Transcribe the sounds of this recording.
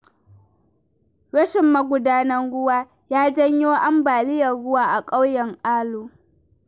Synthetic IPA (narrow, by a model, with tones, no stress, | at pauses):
ɽɐ˦ʃɪ˨mːɐ˦ɡʷʊ˨daː˦nɐ˦ŋɽʊ˦waː˦ | jaː˦d͡ʒɐ˦ɲjoː˦ʔa˦mbaː˨lɪ˦jɐ˨rɽʊ˦waː˦ʔa˨kʼa˦wjɐ˨ŋʔaː˦loː˨